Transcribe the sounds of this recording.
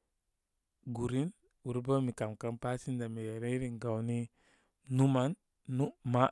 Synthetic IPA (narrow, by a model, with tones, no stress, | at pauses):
ɡu˨ɾi˦n | wu˨ɾba˦mi˨ka˨mka˦mpa˦si˦nda˨mi˨je˨ɾe˦ɾi˦˨ŋɡa˨wni˦ | nu˦ma˦nː | u˦ma˦